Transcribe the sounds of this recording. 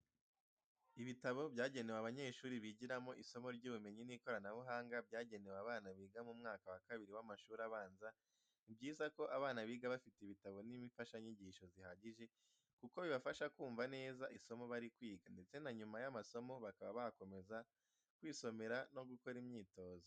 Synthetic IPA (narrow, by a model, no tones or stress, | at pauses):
iβitaβo̞bjaːɟe̞ne̞waβaɲe̞ːʃuːɾiβiɟiɾamo̞ʔiso̞mo̞ɾɟuːβume̞ɲiniko̞ɾanaβuɦaːŋɡabɟaːɟe̞ne̞waβaːnaβiːɡamumŋaːkawakaβiɾiwamaʃuːɾaβaːnza | ibɟiːzako̞ʔaβaːnaβiːɡaβafiteiβitaβo̞nimifaʃaɲiɟiʃo̞zihaɟiʒe̞ | kuko̞βiβafaʃakuːɱvane̞ːzaʔiso̞mo̞βaɾikwiːɡande̞t͡se̞naɲumajamaso̞mo̞βakaβaβaako̞me̞za | kwiːso̞me̞ɾano̞ɡuko̞ɾimɲiːto̞ːzo